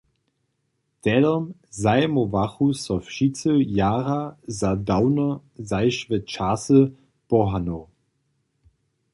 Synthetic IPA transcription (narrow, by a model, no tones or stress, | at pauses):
tɛdɔmzajmovaχusɔfʃit͡səjaːʁazadawnɐzaɪʃvɛt͡ʃaːsə | pɔɦano